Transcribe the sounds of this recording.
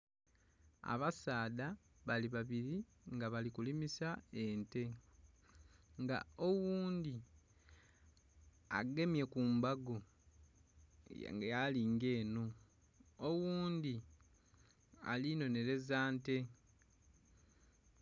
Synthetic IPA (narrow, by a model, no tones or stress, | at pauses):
a̰βasaːda | βaliβaβiɾi | ŋɡaβalikulimisae̞nte̞ | ŋɡa̰owuːnd̪i | a̰ɡe̞mje̞kuːmbaɡo | ŋɡejaliŋɡe̞ːno | owuːnd̪i | a̰lino̞ne̞ɾe̞zaːnte̞